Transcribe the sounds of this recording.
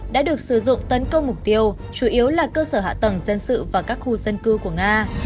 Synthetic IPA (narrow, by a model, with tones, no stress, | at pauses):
ɗa̰ː˧˥ɗɨ˨˩ək̚sɨ˧˩zʊ̰˧˨ŋ͡mt̪ə˨˦nkə˧wŋ͡mmʊ˨˩k͡p̚t̪i˧əw | t͡ɕu˧˩ʔi˨˦əwlaː˨˩kəː˧səː˧˩ɦa̰ː˧˨t̪ə˨˩ŋzə˧nsɨ̰˧˨vaː˨˩kaː˦˥k̚xu˧zə˧nkɨ˧ku˧˩əŋaː˧